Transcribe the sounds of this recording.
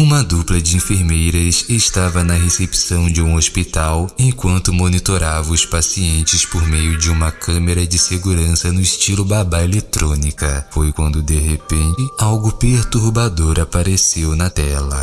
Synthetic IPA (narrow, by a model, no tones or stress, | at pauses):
ũmɐd̪uplɐd͡ʒɪĩfeɾmejɾɐsest̪avɐnɐɦesepi̥sɐ̃w̃d͡ʒɪũospit̪awẽkwɐ̃nt̪ʊmonit̪oɾavɐ̃ʊspasiẽnt͡ʃɪspoɾmejʊd͡ʒɪũmɐkɐ̃meɾɐd͡ʒɪseɡuɾɐ̃sɐnʊɪst͡ʃilʊbabaelet̪ɾõnikɐfojkwɐ̃nd̪ʊd̪eɦepẽt͡ʃɪawɡʊpeɾt̪uɾbad̪oɾapaɾesewnɐt̪ɛlɐ